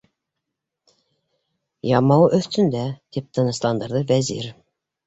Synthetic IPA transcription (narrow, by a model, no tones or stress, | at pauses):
jɑmɑwʔɵθt̪ʰynd̪æd̪̥ep̚t̪ʰənɤ̆slˠɑnd̪ə̆ɾd̪əvæzḭɾ